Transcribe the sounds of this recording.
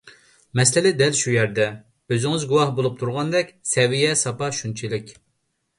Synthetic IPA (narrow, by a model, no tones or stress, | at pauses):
mɛslɪlɪd̪ɛlʃujɛɾd̪ɛ | øzɪŋɪzɡuwɑhbolˠup̚t̪ʰuɾʁɑnd̪ɛkʲsɛvijɛsɑpɑʃunt͡ʃʰilɪkʲ